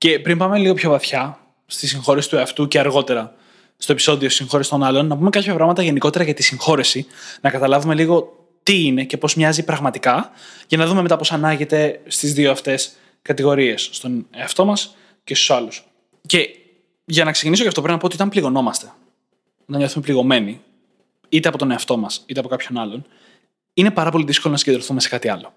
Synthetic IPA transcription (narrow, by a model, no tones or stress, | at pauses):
ce̞pɾimpɐme̞liɣo̞pço̞vɐθçɐ | st̪isiŋxo̞ɾisi̥t̪ueɐft̪uceɐɾɣo̞t̪e̞ɾɐ | t̪o̞epi̥so̞ðiosisiŋxo̞ɾist̪o̞nɐlo̞nːɐpume̞kɐpʰçɐpɾɐɣmɐt̪ɐʝe̞niko̞t̪e̞ɾɐʝɐt̪isiŋxo̞ɾisinɐkɐt̪ɐlɐvume̞liɣo̞ | t̪iine̞ce̞po̞zmɲɐzipɾɐɣmɐt̪ikɐʝɐnɐðume̞met̪ɐpo̞sɐnɐʝe̞t̪e̞st̪izðioɐft̪e̞s | kɐt̪iɣo̞ɾie̞sːt̪o̞neɐft̪o̞mɐs | ce̞st̪u̥sɐlus | ce̞ | ʝɐnɐkse̞cinisocɐft̪o̞pɾmnɐpot̪iot̪ɐmpliɣo̞no̞mɐst̪e̞ | ot̪ɐnɲo̞θume̞pliɣo̞me̞ni | it̪eɐpo̞t̪o̞ne̞ɐft̪o̞mɐsit̪eɐpo̞kɐpço̞nɐlo̞n | ine̞pɐɾɐpo̞liðiskolo̞nɐsiɲɟeðɾoθume̞se̞kɐt̪iɐlo